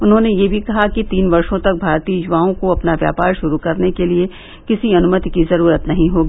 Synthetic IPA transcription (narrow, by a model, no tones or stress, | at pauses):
ʊnɦõnejebʱikɐɦakit̪iːnbɐɾʃõt̪ɐk̚bʱaːɾt̪iːd͡ʒʊʋaːõkoɐpnaʋja̰ːpaːɾʃʊɾukɐɾnekelie | kɪsiɐnʊmət̪ikizɐɾuːɾət̪nɐɦĩɦoːɡiː